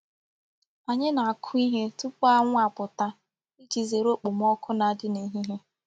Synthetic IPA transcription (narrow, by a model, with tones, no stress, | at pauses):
a˨ɲɪ˦na˨a˨kʰʊ˦i˦ɦe˦tʊ˦pʊ˦a˦ŋʷ˦a˨pʊ˨ta˦ | i˦d͡ʒi˨ze˨ɾo˦k͡pʊ˨m̩˦ɔ˦kʰʊ˦na˨dɪ˦ne˨˦ɦi˦ɦe˦